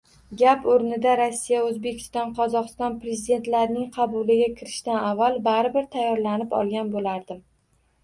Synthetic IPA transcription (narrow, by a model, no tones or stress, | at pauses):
ɡʲapoɾnɪd̪aɾasːijaoɵzbe̞kʲʰɪ̥st̪ɒnqʰɒzɒqɨst̪ɒnpɾe̞zid̪e̞nt̪laɾnɪŋqʰɑbʊlɪɡʲakʲʰɪɾɪʃt̪anavːalˠbaɾɪbɪɾt̪ʰajːɒɾlanɪpɒ̰lˠɡʲanbolaɾd̪ɪm